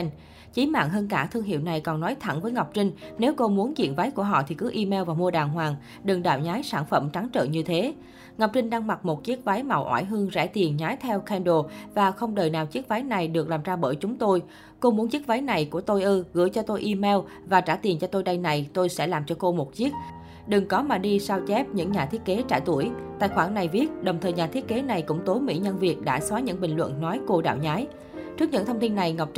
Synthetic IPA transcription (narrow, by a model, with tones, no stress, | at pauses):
t͡ɕi˨˦ma̰ː˧˨ŋɦəː˧nkaː˧˩t̪ʰɨ˧əŋɦḭ˧˨wna˨˩jkɔ˨˩nnɔ˨˦jt̪ʰa˧˩ŋvəː˨˦jŋa˨˩wk͡p̚t͡ɕï˧ŋ̟ne˨˦wko˧mu˨˦ənzḭ˧˨ənva˨˦jku˧˩əɦɔ̰˧˨t̪ʰi˨˩kɨ˨˦ʔi˧mɛ˧wvaː˨˩mu˧əɗaː˨˩ŋɦwaː˨˩ŋ | ɗɨ˨˩ŋɗaː˧˨wɲaː˨˦jsaː˧˩nfə˧˩mt͡ɕa˨˦ŋt͡ɕə̰ː˧˨nɲɨ˧t̪ʰe˨˦ | ŋa˨˩wk͡p̚t͡ɕï˧ŋ̟ɗaː˧ŋma˨˩t̚mo˨˩t̚t͡ɕi˦˥ək̚va˨˦jma̰˨˩wʔwa̰ː˧˩jɦɨ˧əŋzɛ̰˧˥˩t̪i˨˩ənɲaː˨˦jt̪ʰɛ˧wkʰɛ˧nɗo˧˩vaː˨˩xə˧wŋ͡mɗəː˨˩jnaː˨˩wt͡ɕi˦˥ək̚va˨˦jna˨˩jɗɨ˨˩ək̚laː˨˩mzaː˧ɓəː˧˩jt͡ɕʊ˨˦ŋ͡mt̪o˧j | ko˧mu˨˦ənt͡ɕi˦˥k̚va˨˦jna˨˩jku˧˩ət̪o˧jʔɨ˧ɣɨ̰˧˥jt͡ɕɔ˧t̪o˧jʔi˧mɛ˧w | vaː˨˩t͡ɕaː˧˩t̪i˨˩ənt͡ɕɔ˧t̪o˧jɗa˧jna˨˩jt̪o˧jsɛ̰˧˥laː˨˩mt͡ɕɔ˧ko˧mo˨˩t̚t͡ɕi˦˥ət̚ | ɗɨ˨˩ŋkɔ˨˦maː˨˩ɗi˧saː˧wt͡ɕɛ˦˥p̚ɲɨ̰˧˥ŋɲaː˨˩i˦˥ət̚ke˨˦t͡ɕa̰ː˧˩jt̪u˧˩əjt̪a̰ː˧˨jxwaː˧˩ŋna˨˩jvi˦˥ət̚ɗə˨˩wŋ͡mt̪ʰəː˨˩jɲaː˨˩t̪ʰi˦˥ət̚ke˨˦na˨˩jkʊ̰˧˥ŋ͡mt̪o˨˦mḭ˧˥ɲə˧nvi˨˩ək̚ɗa̰ː˧˥swaː˨˦ɲɨ̰˧˥ŋɓï˨˩ŋ̟lwə̰˧˨nnɔ˨˦jko˧ɗa̰ː˧˨wɲaː˨˦j | t͡ɕɨ˦˥k̚ɲɨ̰˧˥ŋt̪ʰə˧wŋ͡mt̪i˧nːa˨˩jŋa˨˩wk͡p̚t͡ɕ